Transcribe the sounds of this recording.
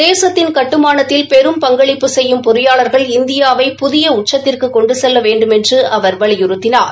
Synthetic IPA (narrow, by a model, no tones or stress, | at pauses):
d̪eːsɐt̪ːɪnkɐʈːɯmaːnɐt̪ːɪlpɛɾɯmpɐŋɡɐɭɪpːɯsɛjːɯmpʊɾɯjaːlɐɾɣɐɭɪnd̪ɪjaːʋɐɪpʊðɪjɐʊʈ̚t͡ʃːɐt̪ːɪrkɯkɔɳɖɯsɛlːɐʋeːɳɖɯmɛndrɯʔɐʋɐɾʋɐɭɪjʊɾɯt̪ːɪnaːɾ